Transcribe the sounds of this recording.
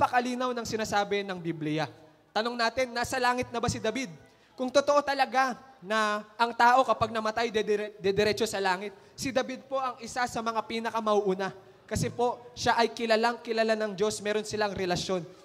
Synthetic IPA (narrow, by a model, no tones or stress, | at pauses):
pɐkɐliːnɐwnɐŋsɪnaːsaːbɛnɐŋbiblɪja | t̪ɐno̞ŋnaːt̪ɪnːaːsɐlaːŋɪt̪̚nɐbasɪd̪ɐbid̪̚ | kʊŋt̪ot̪oʔo̞t̪ɐlɐɡanɐʔɐŋt̪aːʔo̞kɐpaɡ̚nɐmɐt̪ajd̪ɛd̪d̪ɛd̪ɛɾɛːt͡ʃo̞sɐlaːŋɪt̪̚ | sɪd̪ɐbid̪̚po̞ʔɐŋʔɪsasɐmɐŋapiːnɐkɐmɐʔuːʔuːna | kɐsɛpo̞ʃaʔɐjkɪlɐlaŋkɪlɐlanɐŋd͡ʒo̞smɛːɾo̞nsɪlaɐŋɾɛlɐsjo̞n